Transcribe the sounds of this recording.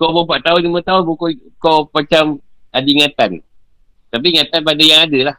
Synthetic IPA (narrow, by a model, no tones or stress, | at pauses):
koməbaʔt̪aʊnt͡ʃumət̪aʊnbukokopət͡ʃam | adiŋat̪an | t̪ap̬iŋãt̪anpadajaŋadəlah